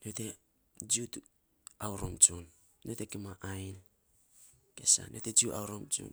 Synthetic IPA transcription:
note | d͡ʒiut | awɾomt͡ʃunː | otekimaʔajn | kesa̰nʔoted͡ʒiua̰wɾomt͡ʃṵn

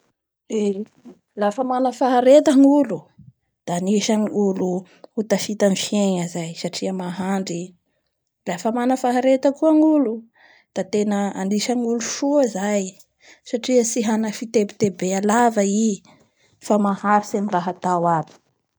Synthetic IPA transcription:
e | lafəmanəfaɦaɾet̪əŋulu | d̪̥aːniʃaŋiulu | ut̪aʃit̪anfjeɲazajsaʈ͡ʂiəmaɦaɳɖ͡ʐi | lafəmanəfaɦaɾet̪əkuəŋulu | d̪̥at̪enəaniʃaŋuluʃuzaj | saʈ͡ʂiəsiɦanəfit̪ebit̪ebealavai | famahaɾisemiraɦat̪awabi̥

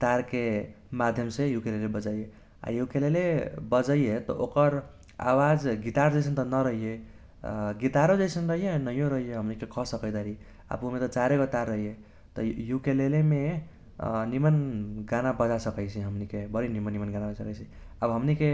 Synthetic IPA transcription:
t̪aɾkemad̪ʱjəmsẽjukelelebəd͡ʒaije | a̰jukelelebəd͡ʒəijet̪ɔ̰ʔokəɾ | a̰wad͡ʒɡit̪aɾd͡ʒəɪsʰənt̪ɔnəɾəɦije | ɡit̪aɾod͡ʒaɪsənɾəɦijenəjoɾəɦijeɦəmnikekʰɔsəkəjd̪aɾi | a̰pumet̪ʌt͡ʃaɾeɡot̪aɾːəɦije | t̪ɔjukeleleme | nimənɡanabəd͡ʒasəkəɪt͡ʃʰiɦəmnikebəɾinimənːimənɡanabəsəkəjt͡ʃʰi | əbɦəmnike

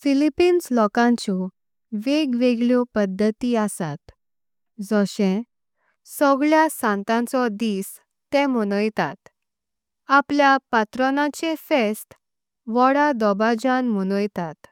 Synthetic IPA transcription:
filipinslɔkãɲt͡ɕɔ | ʋeɡʋeɡɭjɔpəd̪ʱːət̪iasat̪ | d͡zɔɕẽ | sɔɡɭjasãnt̪ãnt͡sɔd̪iːs | t̪ɛ̃məñəjt̪at̪ | apljapat̪ɾɔnat͡ɕefesʈ | ʋɔɽad̪ɔbad͡ʑanm̤əñəjt̪at̪

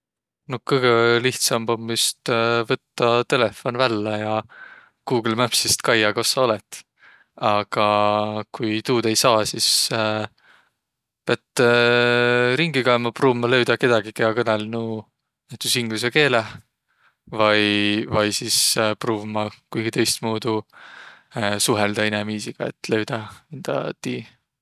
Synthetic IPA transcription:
no̞kɤjɡ̥eliht̪sɑmbomːyst̪vɤt̪ːɑt̪e̞lefo̞nvælːɑjɑ | kuːɡlmæpsist̪kɑjːɑko̞sːɑo̞let̪ˑ | ɑɡ̥ɑkujt̪uːd̪̥e̞jsɑːsis | peɑt̪ː | ɾiŋɡikɑemɑpruːvmːɑlø̞ɥd̪̥ɑke̞d̪̥ɑɡ̥ikehɑkɤnelnu | næt̪usiŋɡ̥lus̬eke̞ːle | vɑjvɑjsispruːvmɑkujɡit̪e̞jst̪muːd̪u | suɦeld̪ɑinɛmiːsiɡ̥ɑe̞̰t̪ːˑle̞wd̪̥ɑind̪̥ɑ̰t̪iː

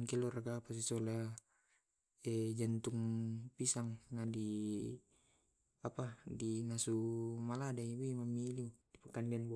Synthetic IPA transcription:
nkɛlɔraɡapas̬isola | ɛd͡ʒant̪uŋpisaŋnadi | apadinasumaladaibimamilidipakandianb

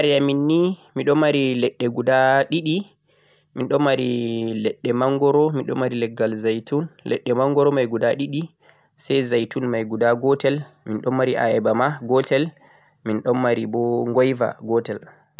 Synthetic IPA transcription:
aɾijaminːimiɗɔmaɾilɛɗːɛɡudaɗiɗi | minɗɔmːaɾilɛɗːɛmaŋɡɔɾɔminɗɔ̰mːaɾilɛɡːalzajtunlɛ̰ɗːɛmaŋɡɔɾɔmajɡudaɗiɗi | sajzajtunmajɡudaɡɔtɛl | minɗɔmːaɾiʔa̰ɛbamaɡɔtɛl | minɗɔmːaɾibɔŋɡɔjva̰ɡɔtɛl

